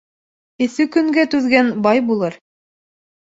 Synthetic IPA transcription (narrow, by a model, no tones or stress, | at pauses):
ɘ̆θʉkɵ̆ŋɡæt̪ʉðɡænbɑjbulˠɤɾ